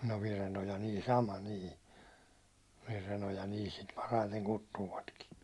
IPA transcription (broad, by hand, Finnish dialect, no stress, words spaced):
no ʋirenojɑ niː sɑmɑ niː ʋirenojɑ niː sit pɑrɑiteŋ kutːuːʋɑtkin